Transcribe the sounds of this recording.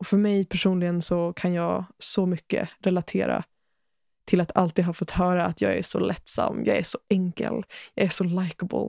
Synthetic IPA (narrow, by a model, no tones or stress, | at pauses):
ɔfœɾmɛjpʰæʂuːnlɪɡənsɔkʰanjɑːɡsɔmʏkːə̰ɾɛlat̪ʰeːɾa̰ | t̪ʰɪlat̪ʰalt̪iːd̪ɦɑɾfɔt̪ːhœːɾaːt̪jɑ̰ːɡæ̰ʂɔ̰lʔɛt̪sa̰mːjɑːɡæʂɔɛŋkə̰ljɑːæʂɔlajkabʊ̰l